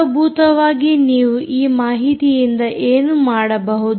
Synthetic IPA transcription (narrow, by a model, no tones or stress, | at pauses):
bʱuːt̪ɐʋaːɡiniːʋuʔiːmaːɦit̪ijind̪ɐʔeːnumaːɽɐbɐɦud̪